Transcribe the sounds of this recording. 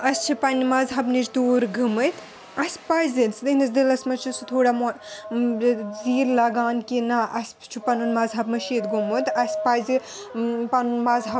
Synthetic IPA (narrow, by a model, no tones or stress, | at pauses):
ɐsʲt͡ʃʰipɐnimɐzɦɐbnit͡ʃd̪uːɾɡɨmɨt̪ | ɐsʲpɐjzinsd̪ɨhnisd̪ilɐsʲmɐt͡ʃʰisut̪ʰoːɽamo | ziːɾlɐɡaːnkinaʔɐsʲ | t͡ʃʰupɐnunmɐzɦɐbmɐʃiːt̪ɡumɨt̪ɐsʲpɐjzi | pɐnunmɐzɦɐ